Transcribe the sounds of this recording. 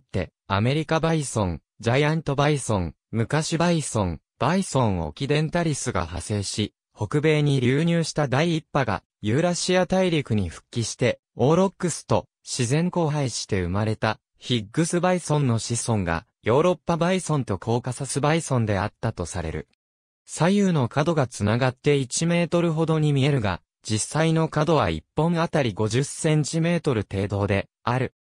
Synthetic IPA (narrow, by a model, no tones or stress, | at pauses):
t̪ːe̞̰ | a̰me̞ɾʲikabaisõ̞ŋ | d͡ʑajãnt̪o̞baisõ̞ŋ | mɯ̟kaɕibaisõ̞ŋ | b̥aisõ̞ɰ̃o̰kʲid̪ẽ̞nt̪aɾʲisɨɡa̰ha̰se̞ːɕi | ho̞kɯ̟be̞ːɲ̟iɾʲɯːɲ̟ɨːɕi̥t̪ad̪aiːpːaɡa̰ | jɯ̟ɾaɕiat̪aiɾʲikɯ̟ɲ̟iɸɯ̟̥kʲːiɕi̥t̪e̞ | o̞ːɾo̞kːɯ̟sɨ̥t̪o̞ | ɕizẽ̞ŋko̞ːɦaiɕi̥t̪e̞ɯmaɾe̞t̪a | çiɡːɯ̟sɨbaisõ̞nːo̞ɕisõ̞ŋɡa̰jo̞ːɾo̞pːabaisõ̞nt̪o̞kʰo̞ːkasasɨbaisõ̞nd̪e̞at̪ːat̪o̞saɾḛɾɯ̟̰ | sajɯ̟ːno̞kad̪o̞ɡat͡sɨnaɡat̪ːe̞it͡ɕime̞ːt̪o̞ɾɯ̟ɦo̞d̪o̞ɲ̟imʲie̞ɾɯ̟ɡa̰ | d͡ʑisːaino̞kad̪o̞β̞a̰ḭpːõ̞ŋat̪aɾʲiɡo̞ʑɨsẽ̞ɲ̟t͡ɕime̞ːt̪o̞ɾɯ̟t̪e̞ːd̪o̞ːd̪e̞ | aɾɯ̟